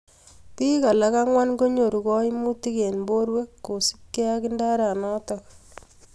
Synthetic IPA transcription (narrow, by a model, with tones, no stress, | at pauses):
pi˦ka˨la˦ka˦ŋwa˦nɡo˦ɲo˨ɾu˨kɔ˦i˦mu˦ti˦ke˨nmbo˦ɾwe˦kːo˨si̥˦p̚ke˦a˦kɪ˦nda˦ɾa˨nɔ˦tɔk